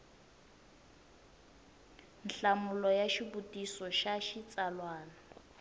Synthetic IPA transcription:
n̩ɬamulɔjaʃibutʼisɔʃaʃit͡salwaːna

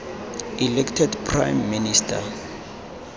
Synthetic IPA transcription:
ilɛktʰɛdpʰra̰jmːinistʰa̰

